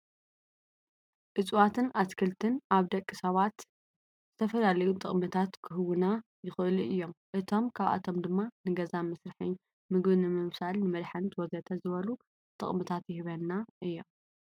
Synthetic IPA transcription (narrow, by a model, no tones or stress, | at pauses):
ʔɨt͡sʼwat̪ʰɨnaskʰɐlt̪ʰɨnʔaβd̪ɐkʼːisɐβat̪ | z̥ɨt̪ʰɐfɐlalɐjut̪ʼɨχʼmɨt̪ʰat̪kʰɨɦɨwɨna | jɪxʔɨluʔɨjːomʔɨt̪ʰo̞mkʰaβa̰t̪ʰo̞md̪ɨmːanɨɡɐzamɐsɾɨħɨn | mɨɡβnɨmɨβsalnɨmɐd̪ħɐnt̪ʰwɔzɐt̪ʰɐzɨβɐlu | t̪ʼɨ̰χʼmɨt̪ʰat̪jɪhɨβɐnːaʔɨjːom